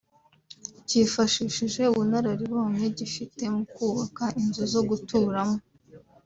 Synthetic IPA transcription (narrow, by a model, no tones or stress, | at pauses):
ciːfaʃiʃiʒe̞uβunaɾaɾiβoːɲheɟifite̞mukuːβakaʔinzuzo̞ɡutuːɾamo